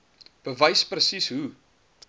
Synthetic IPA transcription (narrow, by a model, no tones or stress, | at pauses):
b̥əvəjsprɾəsisɦu